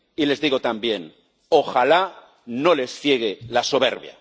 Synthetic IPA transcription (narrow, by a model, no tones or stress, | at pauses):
ile̞zðiɣo̞t̪ambje̞n | o̞xala | no̞le̞sθje̞ɣ̞e̞lasoβ̞e̞̰ɾβja̰